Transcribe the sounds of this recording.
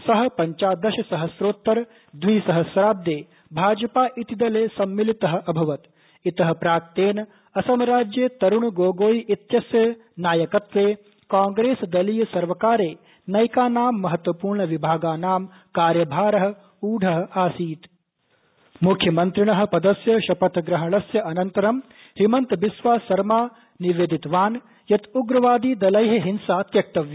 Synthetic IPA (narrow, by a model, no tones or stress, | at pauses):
sɐɦɐ̆pɐɲt͡ʃaːd̪ɐʃɐsɐɦɐsɾoːt̪ːɐɾ | d̪ʋiːsɐɦɐsɾaːb̚d̪eː | bʱaːd͡ʒɐpaːʔit̪id̪ɐleːsɐmːilit̪ɐɦɐ̆ɐbʱɐʋɐt̪ | it̪ɐɦɐpɾaːk̚t̪eːnɐ | ɐsɐmɾaːd͡ʒjet̪ɐɾuɳɡoːɡoːjit̪jɐsjɐ | naːjɐkɐt̪ʋeː | kaːŋɡɾeːsd̪ɐlijɐsɐɾʋɐkaːɾeː | nɐjkaːnaːmːɐɦɐt̪ʋɐpuːɾɳɐʋibʱaːɡaːnaːm | kaːɾjɐbʱaːɾɐɦɐ̆ | uːɖʱɐɦɐ̆aːsiːt̪ | mukʰjɐmɐnt̪ɾɪɳɐɦɐ̆pɐd̪ɐsjɐʃɐpɐt̪ɡɾɐɦɐɳɐsjɐʔɐnɐnt̪ɐɾɐm | ʃimɐnt̪ʋɪsʋaːsɐɾmaː | niʋeːd̪it̪ʋaːn | jɐt̪uɡɾɐʋaːd̪iːd̪ɐlɐjɦɐɦɪnsaːt̪jɐk̚t̪ɐʋjɐ